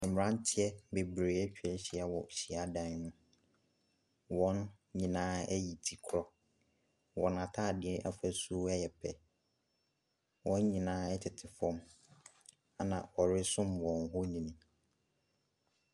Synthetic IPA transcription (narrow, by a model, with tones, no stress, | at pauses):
ɛ̃˨m˨ɾã˦n˦tʰɪ˦ɛ˦be˨bɾeː˨˦ɛ˦t͡ɕᶣɛ˦ɕi˨a˨wɔ̰˨ɕi˨a˦dã˨n˦nʊ̃˦ | wɔ̃˦n | ɲĩ˨nãː˦ɛ˦ji˨tʰi˨kʰɾɔ˦ | wɔ̃˨nã˨tʰaː˦˨dɪ˨ɛ˦ʔa̰˦fa˨su˦ɛ˦jɛ˨pʰɛ˨ | wʔɔ̃˦n˦ɲĩ˨nãː˦ɛ˦tʰɪ˨tʰɪ˨fɔ̃˦m | a˨nã̰˨ɔ˨ɾɪ˦sʊ̃˦mwɔ̃˨nɦɔ˦ɲĩ˨nĩ˨